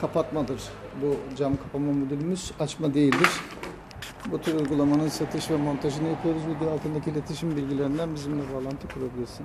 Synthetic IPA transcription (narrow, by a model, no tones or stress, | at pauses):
kʰapʰat̪mad̪ɯɾ̥bud͡ʒamkʰapʰamamod̪ulʲymyz̥at͡ʃmad̪e̞jilʲd̪iɾ̥ | but̪ʰyɾujɡulˠamanɯnsat̪ʰɯʃvɛmo̞nt̪ʰaʒɯnɯjapʰɯjo̞ɾuzmid̪jaːlˠt̪ʰɯnd̪acʰiːlʲe̞t̪ʰiʃimbilʲɟilʲe̞ɾind̪ænbizimlʲɛbaːlˠant̪ʰɯkʰuɾabilʲiɾsin